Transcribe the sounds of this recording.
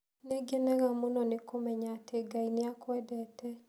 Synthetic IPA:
neɡɛnɛɣamonɔnekomɛɲaːtʰeɡaineakwɛdɛtɛ

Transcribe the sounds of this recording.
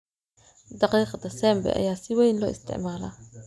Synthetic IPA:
d̪ɑqiːqd̪asɛːmbɛ̰ʔɐ̰jaːsiwɛːjnlɔ̰ːʔɪ̰st̪ɪ̰ʕmaːla̰

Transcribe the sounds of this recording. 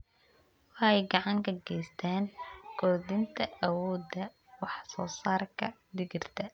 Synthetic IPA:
wɑħɛjɡɑʕɑŋkʰɐɡɛjst̪ʰaːnkʰɔrd̪ɪnt̪ʰɐʔɐwɔːd̪ɐ | wɑħsɔːsaːrkʰɐ | d̪ɪɡɪrt̪ʰɐ

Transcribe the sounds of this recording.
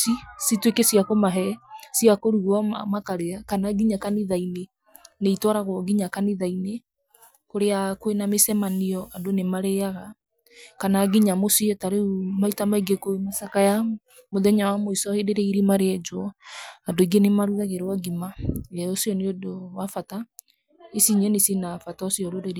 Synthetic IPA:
sisitwekesiakomaɦɛsiakoɾuɣɔmakaɾeakanaɡiɲakaniðaine | neitwɔɾaɣwɔɡiɲakaniðaine | koɾeakoenamesɛmaniɔadonemaɾeaɣa | kanaɡiɲamosiɔtaɾeumaitamaiɡekomasakaja | moðɛɲawamoisɔeɾeɾɛiɾimaɾeɛd͡ʒwɔadoiɡenemaɾuɣaɣeɾaɡimaɛosiɔneodowafata | esiɲɛnesinafataosiɔɾoɾeɾ

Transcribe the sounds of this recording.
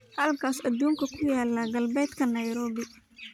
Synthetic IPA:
hɐlkʰaːsɐd̪uːŋkʰɐkʰʊjaːlːaɡɐlbɛːd̪kʰɐnɐjɾɔːβɪ

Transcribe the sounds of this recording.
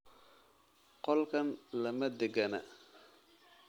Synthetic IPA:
qɔlkʰɐnlɐmɐd̪ɪɡɐnɐ̰

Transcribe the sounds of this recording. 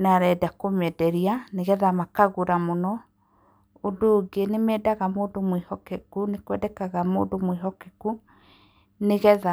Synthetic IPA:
naɾɛdakomɛdɛɾianeɣɛðamakaɣoɾamonɔ | odoːɡenemɛːdaɣamoːndomwihɔkɛkunekwɛdɛkaɣamoːdomwiɦɔkɛku | neɣɛða

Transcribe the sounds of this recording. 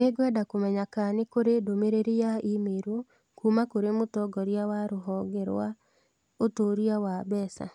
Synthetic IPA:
neɡwɛdakomɛɲakanekoɾedomeɾeɾijaimeɾwo | kumakoɾemotɔɡɔɾjawaɾoɦɔɡɛɾwa | otoːɾiawaβɛːsa̰

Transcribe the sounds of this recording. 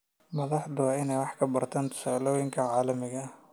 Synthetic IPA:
mɐðɑħd̪ʊwɑːɪnɛjwɑħkʰɐbɐrt̪ʰaːnt̪ʰʊ̥saːlɔːjɪŋkʰɐʕaːlɐmɪɣɐ

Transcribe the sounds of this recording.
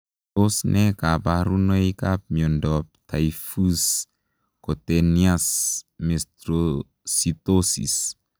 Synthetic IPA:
tosnekabaɾunojkap̚miɔndɔp̚t̪ʰajfus | kot̪eniasmest̪ɾo | sit̪osḭs

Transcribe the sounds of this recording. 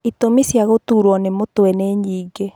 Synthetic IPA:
itomisjaɣotuɾwɔnemotoɛneɲiːɡɡe

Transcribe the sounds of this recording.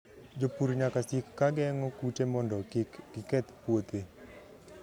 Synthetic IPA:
d͡ʒopuɾɲakasikːaɡɛŋɔkutemɔndɔɡɪkɛt̪pwot̪e

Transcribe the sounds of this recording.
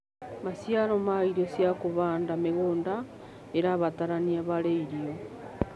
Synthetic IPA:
masjalomaiɾosjakoβaːndameɣoːnda | eɾaβataɾaniaβaɾeiɾio

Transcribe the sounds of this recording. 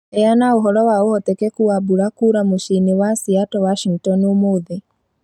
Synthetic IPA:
ɛjanaoɦɔɾɔwaohɔtɛkɛkuabuɾakuɾamoʃinewasiatɔwaʃiŋtɔnomoðe

